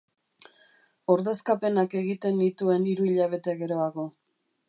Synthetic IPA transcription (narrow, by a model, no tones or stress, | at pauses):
o̞ɾðe̞skape̞nake̞ɣit̪e̞nd̪it̪ue̞niɾuiʎaβ̞e̞t̪eɣe̞ɾo̞aɣo̞